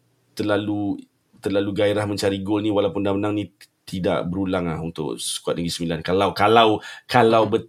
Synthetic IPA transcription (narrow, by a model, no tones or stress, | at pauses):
t̪ərlalu | t̪ərlaluɡaiɾahmə̃ɲt͡ʃaɾiɡʊlnĩwalawpʊndamənaŋnĩ | t̪ida̰ʔbəɾulaŋlahunt̪ʊ̰ʔsə̥kua̰t̪̚dəɡisəmilankalawkalawkalawbə